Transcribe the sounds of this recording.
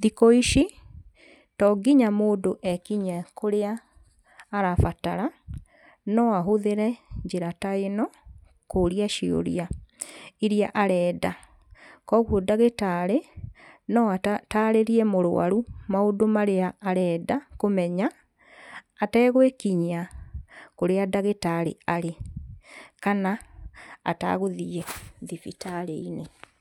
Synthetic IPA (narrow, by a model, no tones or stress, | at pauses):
ðikɔiʃi | tɔɡiɲamoːdoʔɛkiɲɛkoɾeaː | ɾafataɾa | nɔaɦoðeɾɛɲd͡ʒeɾataenɔ | koɾiaʃio̰ɾḭa | iɾiaʔaɾɛːda | kɔɣwodaɣetaːɾenɔataɾeɾiɛmoɾw̰a̰ɾumaodomaɾeaːɾɛːdakomɛɲaː | tɛːɣwekiɲa | koɾeadaɣetaɾḛaɾe | kana | a̰ta̰ɣoðiɛðifitaɾḛine